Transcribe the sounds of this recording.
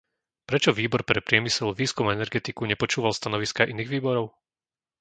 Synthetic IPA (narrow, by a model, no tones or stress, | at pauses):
pɾɛt͡ʃɔʋiːbɔɾpɾɛpɾɪɛmisɛlʋiːskumɛnɛɾɡɛt̪ikuɲɛpɔt͡ʃuːʋalst̪anɔʋiskaʔiniːɣʋiːbɔɾɔʊ